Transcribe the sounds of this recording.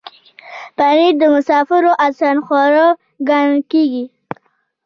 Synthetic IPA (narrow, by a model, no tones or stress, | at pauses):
panid̪əmʊsɑfɪɾoʔasanxɑɾɑ | ɡankeɡi